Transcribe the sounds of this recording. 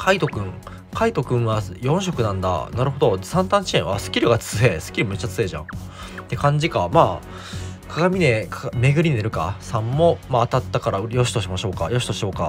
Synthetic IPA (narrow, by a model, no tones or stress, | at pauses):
kʰait̪o̞kɯ̟̃ŋ | kʰait̪o̞kɯ̟̃ɰ̃βajõ̞ɰ̃ɕo̞kɯ̟nãnd̪a̰naɾɯ̟ɦo̞d̪o̞sãnt̪ãɲt͡ɕiẽɰ̃βa̰sɨ̥kʲiɾɯ̟ɡat͡sɨe̞ːsɨ̥kʲiɾɯ̟me̞t͡ɕːat͡sɨe̞ʑã̰ɴt̪ːe̞kãɲ̟d͡ʑikamaː | kʰaɡamʲine̞kme̞ɡɯ̟ɾʲiɲieɾɯ̟ka̰sãmːo̞maːt̪at̪ːakaɾajo̞ɕi̥t̪oɕimaɕo̞ːkajo̞ɕi̥t̪o̞ɕio̞ːka